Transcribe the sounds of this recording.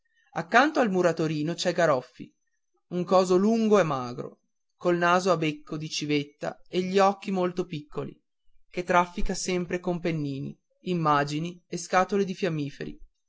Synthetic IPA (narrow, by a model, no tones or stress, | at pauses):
akːant̪oalmuɾat̪oɾiːnot͡ʃɛɡaɾɔfːḭ | uŋkɔːzoluŋɡoɛmːaːɡɾo̰ | kolnaːzoabekʰːod̪it͡ʃivet̪ːa̰eʎːiɔkːimolt̪opikːolḭ | ket̪ːɾafːikasɛmpɾekompenːiːnḭː | mːaːd͡ʒinieskaːt̪oled̪ifjamːiːfḛɾḭ